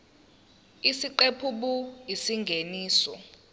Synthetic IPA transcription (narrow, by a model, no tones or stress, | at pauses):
isiǃepʰuɓuisiŋɡʱeniːsɔ